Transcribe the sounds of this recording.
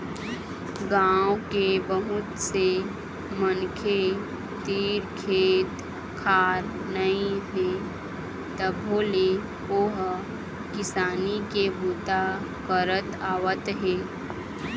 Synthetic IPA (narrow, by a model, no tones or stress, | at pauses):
ɡãːwkebəɦʊt̪se | mənkʰe | t̪iːɾkʰeːt̪ | kʰaːɾ | nəĩɦeː | t̪əbʱoːle | oːɦ | kɪsaːnikebuːt̪a | kəɾət̪aːwət̪ɦeː